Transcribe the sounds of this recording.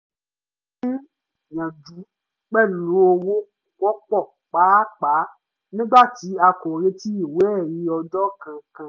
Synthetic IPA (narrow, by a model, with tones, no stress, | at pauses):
i˦˨ | ɲã˨d͡ʒu˨˦ | k͡pɛ˦˨lo˨˦o˧wo˦˨wɔ˦k͡pɔ˦˨ | k͡pa˨˦k͡pa˨˦ | nĩ˦ɡ͡ba˦˨ti˨˦a˧kɔ˨ɾe˧ti˦i˦˨we˦˨ji˨˦ɔ˧d͡ʒɔ˦kã˧kã˧